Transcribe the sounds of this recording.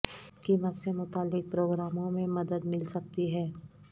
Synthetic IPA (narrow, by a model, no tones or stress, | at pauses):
kimət̪semʊt̪aːlːɪk̚pɾoːɡɾaːmõmẽmɐd̪əd̪mɪlsɐk̚t̪iɦɛː